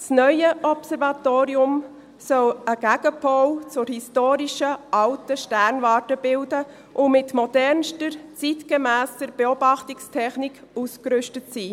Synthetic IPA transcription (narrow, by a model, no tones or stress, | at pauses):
snœjəɔpsɛɾvɑtoːɾiʊm | sœləɡ̥æɡəpʰɔwt͡sʊɾhistoːɾiʃəɑltəʃtæɾnvɑːɾtəb̥ɪldə | ʔʊmɪtmɔd̥ɛɾnʃtəɾt͡sitɡ̥əmæːstəɾb̥eobɑχtikstʰɛχnik | uskɾʏʃtətsiː